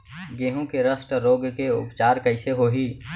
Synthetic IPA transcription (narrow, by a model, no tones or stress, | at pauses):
ɡeːɦõkeɾəsʈəɾoːɡkeʊ̰pt͡ʃaːɾkəɪseɦoːɦiː